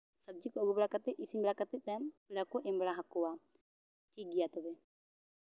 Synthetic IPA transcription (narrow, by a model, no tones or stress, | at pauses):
səb̚d͡ʒikɔɔɡubɛɽakat̪ɛc̚isiɲbɛɽakat̪ɛc̪̚ˀt̪ampiɽakɔʔɛmbɛɽaɦakɔwa | ʈʰik̚ɡɛjat̪ɔbɛ